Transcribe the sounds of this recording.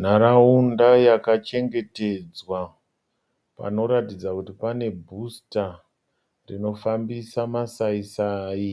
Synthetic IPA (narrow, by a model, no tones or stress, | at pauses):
n̤aɾaundajakat͡ʃe̞ŋɡe̞te̞d͡zwa | pa̰no̞ɾatid͡zakutipane̞bʱusta | rino̞fambisamasaisaːji